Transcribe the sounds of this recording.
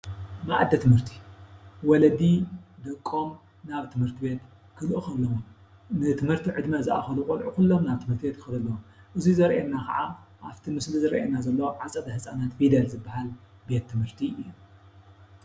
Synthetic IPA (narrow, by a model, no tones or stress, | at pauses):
maʔad̪ɐt̪ʰɨmhɨɾt̪ʰi̥wɔlɐd̪id̪ɐkʼːom | naβt̪ʰɨmhɨɾt̪ʰibe̞t̪ | kʰɨlʔɨxɨlːɐwom | nɨt̪ʰɨmhɨɾt̪ʰiʕɨd̪mazɨʔa̰xɐlukʼɐlʕukulːomnaβt̪ʰɨmhɨɾt̪ʰibe̞t̪̚kɨxɨlɨlːɐwom | ʔɨzizɐɾʔenːakʰɐ̰ʕaʔaβt̪ʰimɨslizɐɾʔḛnːazɐlːɐwomʕat͡sʼɐd̪ɐhɨsʼanat̪fid̪ɐlzɨbːahal | be̞t̪ʰːɨmhɨɾt̪ʰiɨjːu